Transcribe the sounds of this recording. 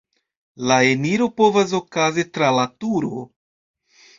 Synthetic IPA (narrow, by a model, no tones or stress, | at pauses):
laeniɾo̞po̞vas̬o̞kazitɾalatuɾo